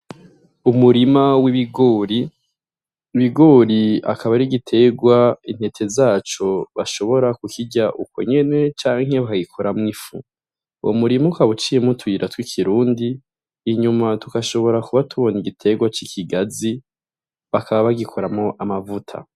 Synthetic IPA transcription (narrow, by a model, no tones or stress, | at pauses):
umuɾimawiiɡoɾi | βiɡo̞ːɾia̰kʰaβaɾiɡitʰe̞ɡwain̥he̞tʰe̞zaːt͡ʃo̞βaʃo̞βo̞ɾakukiɟaʔuko̞̰ɲe̞ne̞t͡ʃaːŋ̥ɦe̞βakaɡikʰoɾamŋifṵ | ʔo̰muɾimukaβut͡ʃijemutʰwuiɾʔatwikʰiɾuːndiː | ɲumatukaʃo̞βo̞ɾakuβatʰuβo̞niɡitʰe̞ɡwat͡ʃikʰiɡazi | βakʰaβaβaɡikʰoɾamoʔamavutʰa̰